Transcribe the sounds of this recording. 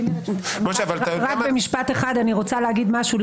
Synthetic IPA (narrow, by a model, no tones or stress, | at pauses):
moʃavalaʁak̚bemiʃpat̪eχad̪aniʁot͡saleaɡid̪maʃul